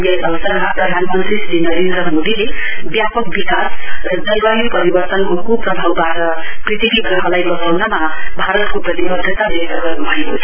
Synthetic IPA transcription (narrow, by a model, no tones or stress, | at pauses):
jasʌwsʌɾɦaprʌd̪ʱanmʌnt̪ɾisinʌɾend̪ɾʌmod̪ile | bjapʌk̚bikasɾʌd͡zʌlwajipʌɾibʌrt̪ʌnɦokupɾʌbʱawbaʈʌ | prit̪ibiɡɾʌɦʌlajbʌsawnamabʱaɾʌt̪koprʌt̪ibʌd̪ʱət̪alesʌɡʌbʱʌekot͡sʰ